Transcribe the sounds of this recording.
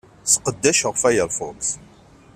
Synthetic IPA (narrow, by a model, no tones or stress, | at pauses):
sqəd̪ːæʃəʁfæjəɾˤfʊts